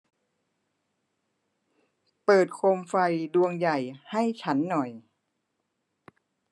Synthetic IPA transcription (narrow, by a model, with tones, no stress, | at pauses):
pɤː˨˩t̪̚kʰo˧mfa˧jdu˧əŋja˨˩jha˥˩jt͡ɕʰa˦˥nːɔ˨˩j